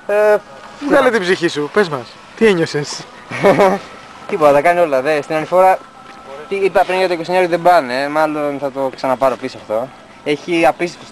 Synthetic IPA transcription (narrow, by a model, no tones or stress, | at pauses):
e | muɣɐlet̪ibsiçisupezmɐs | t̪ieɲoses | t̪ipot̪ɐt̪ɐkɐnio̞lɐðest̪inɐnifo̞ɾɐ | t̪iipɐpɾiŋɐt̪oikosiɲɐɾðebɐnemɐlo̞nθɐt̪o̞ksɐnɐpɐɾo̞pisoɐft̪o̞ | e̞çiɐpisispos